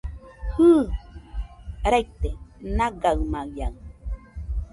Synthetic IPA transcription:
hɯ | ɾajk̚t̪enaɡaɰmaja̰ɰ

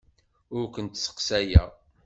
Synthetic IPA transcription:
ʊɾkʷənt̪sə̥qsæjæ̰

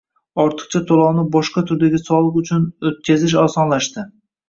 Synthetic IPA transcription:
ɒɾt̪ʰɨ̥χt͡ʃʰat̪ʰolˠɒwnɪbɒʃqɑt̪ʰʊɾd̪aɡʲɪsɒlˠɨqʊt͡ʃʰʊnɵt̪̚kʲazɪʃ̬ɒsɒnlaʃt̪ɪ

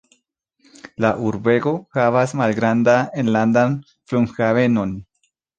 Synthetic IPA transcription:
laʔuɾbe̞ɡo̞xavasmalɡɾand̪aenland̪an | fluŋxave̞no̞n

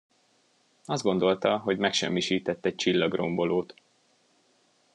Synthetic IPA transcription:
ɒzd̪ɡo̞nd̪o̞lt̪ɒɦo̞ɟmɛkʃɛ̰mːiʃiːt̪ɛt̪ːɛc̚t͡ʃilːɒɡro̞mbo̞loːt̪

